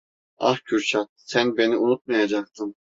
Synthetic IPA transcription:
ɑ̰hcʰyɾt͡ʃʰat̪sænbe̞niunut̪̚majad͡ʒak̚t̪ʰɯm

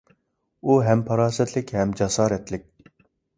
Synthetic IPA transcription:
uɦɛmpʰɑɾɑːsɛt̪ʰlɪkʲhɛmd͡ʒɑsɑːɾɛt̪lɪk̚ʲ

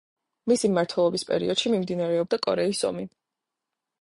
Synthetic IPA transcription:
misimaɾt̪ʰwɛlˠɔbispʼɛ̰ɾḭɔd̪̥ʃimimd̪inaɾɛɔb̚d̪akʼɔɾɛisɔ̰mi

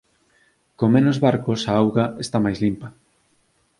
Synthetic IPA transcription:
komenozβaɾkosaawɣɐest̪amajzlimpɐ

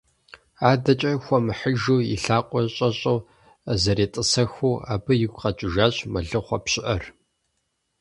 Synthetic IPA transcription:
aːdɐt͡ʃʼɐxʷɔmɨħəʒuːḭɬaːqʷʼɔɕʼɐɕʼow | ɐzɐɾeːtʼɨsɐxuːa̰ːbɨjɪɡʷqɐt͡ʃʼɪʒaːɕʼmɐɮɨχʷɐpɕɪʔɐr

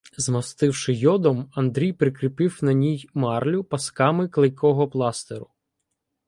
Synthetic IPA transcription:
zmɐst̪ɪwʃɪjɔd̪ɔmɐnd̪ɾʲijpɾɪkɾɪpɪwnɐnʲijmɑrlʲʊpɐskɑmɪklˠɪjkɔɦɔplˠɑst̪eɾʊ

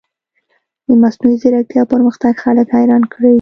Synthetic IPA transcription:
d̪̥əmasnuizɪɾak̚t̪jɑpəɾməxt̪aɡxaləkhajɾɑnkɽe

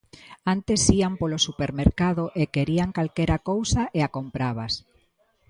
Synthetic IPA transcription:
ant̪esiampolosupeɾmeɾkaðoʔekeɾiaŋkalkeɾakowsaʔeakompɾaβ̞as

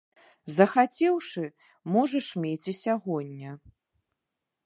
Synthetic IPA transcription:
zɐxat͡sʲɛwʂɨ | mɔʐɐʂmʲet͡sʲisʲaɣɔnʲːɐ

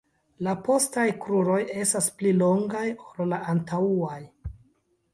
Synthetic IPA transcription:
lapo̞stajkɾuɾo̞je̞stasplilo̞ŋɡajollaʔantauaj

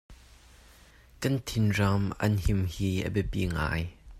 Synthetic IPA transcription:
kɐnt̪ʰɪnramʔɐ̰nhimhiːʔə̰bɛpḭŋa̰ːj

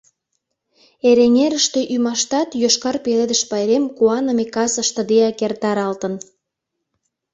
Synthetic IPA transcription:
eɾenʲeɾəʃt̪e̽ʔymɑʃt̪ɑt̪joʃkɑrpeled̪əʃpɑjɾemkuɑnə̆mekɑsəʃt̪ə̆d̪eɑkert̪ɑɾɑlt̪ən

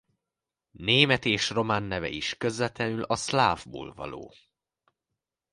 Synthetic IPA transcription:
neːmɛt̪eːʃro̞maːnːɛvɛ̰iʃkøzvɛt̪lɛnylɒslaːvbo̰ːlvɒ̰lo̰ː

